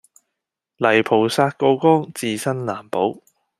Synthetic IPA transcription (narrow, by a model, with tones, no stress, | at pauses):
lɐ˨˩jpʰo˨˩wsaː˧t̚ko˧wkɔː˥ŋt͡siː˧sɐ˥nlaː˨˩mpo˨˥w